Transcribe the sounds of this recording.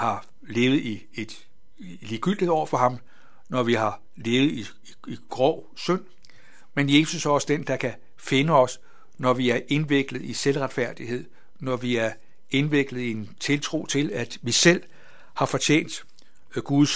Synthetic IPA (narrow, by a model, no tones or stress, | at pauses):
hɑ̈ | le̝ːʊð̩ˠi | e̝d̥ | liːɡ̥yl̰d̥ið̥ˠɒʊ̰ɐfɒ̽ɦɑ̈m | nɒʋiɦɑ̈ | le̝ːʊð̞̩ˠi | iɡ̥ʁɒʊ̰ | søn̰ | menje̝ːsushɑɒ̽səd̥end̥ɑ̈kʰæ | fe̝nəɒ̽s | nɒʋiæɐʔe̝nʋeɡ̥lð̞̩ˠiselʁad̥fæɐ̰d̥ihe̝ð̰ˠ | nɒʋiæɐ | e̝nʋe̝ɡ̥ləð̞̩ˠient͡sʰe̝lt͡sʰʁo̝̰ːt͡sʰe̝læd̥ʋisel̰ | hɑ̈fɒ̽t͡ɕʰḛːn̰d̥ | ɡ̥uðˠs